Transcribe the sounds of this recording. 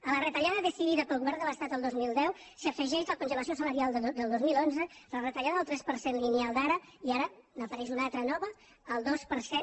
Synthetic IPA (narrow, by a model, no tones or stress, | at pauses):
ələrət̪əʎaðəðəsiðiðəpəlˠɣuβɛɾnd̪ələst̪at̪əlˠd̪ozmilˠd̪ɛw | siəfəʒɛʃəlkunʒələs̬iosələɾialˠd̪əlˠd̪ozmilonzələrət̪əʎaðəðəlˠt̪ɾɛspəɾsenlinialˠd̪aɾəiaɾənəpəɾɛʃunalˠt̪ɾənɔβəː | lˠd̪ospəɾse